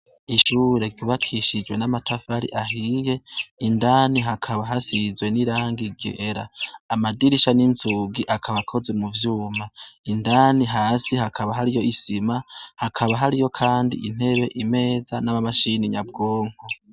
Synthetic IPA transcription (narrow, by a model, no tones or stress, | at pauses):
iʃuːɾe̞ɾɟuβakʰiʃid͡ʒwe̞namatʰafaɾḭʔaɦije̞indaːniɦakʰaβaɦasizwe̞niɾaːŋɡiɡḛɾa̰ːmadiɾiʃaninzuɡiʔakʰaβakʰo̞zwe̞muvjuːmaindaːniɦaːsihakʰaβaɦaɾijo̞ʔisimahakʰaβaɦaɾijo̞kʰaːndḭʔin̥he̞βe̞ʔime̞ːzanaβamaʃiniɲabɡo̞ːŋ̥o̞